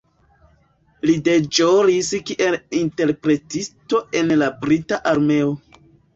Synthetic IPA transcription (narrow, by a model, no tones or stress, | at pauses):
lide̞d͡ʒoɾiskiʔe̞linte̞ɾpɾe̞tisto̞e̞nlabɾitaʔaɾme̞o